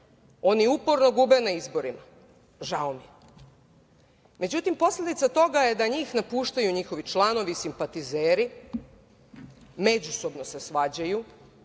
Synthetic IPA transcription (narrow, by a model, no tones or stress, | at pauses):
o̞niupo̞ɾno̞ɡube̞naizbo̞ɾima | ʒaomie | me̞d͡ʑut̪impo̞slʲe̞d̪it̪sat̪o̞ɡaje̞d̪aɲiːxnapuːʃt̪ajuɲixo̞ʋit͡ʃlano̞ʋisimpat̪izeːɾi | me̞d͡ʑuso̞bno̞sesʋaːd͡ʑaju